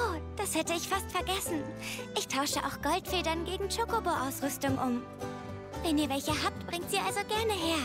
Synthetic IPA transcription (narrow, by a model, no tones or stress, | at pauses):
ʔʔoːd̥ashɛtəɪçfastfɛɐɡɛsn̩ʔɪçtʰaʊʃəʔa̰ʊxɡ̥ɔltfeːdɐnɡeːɡŋ̩t͡ʃokoboʔaʊsʁʏstʊŋʔʊm | vɛniːɐvɛlçəɦaːp̚tb̥ʁɪŋtz̥iːɐʔalzoɡɛɐnəɦeːɐ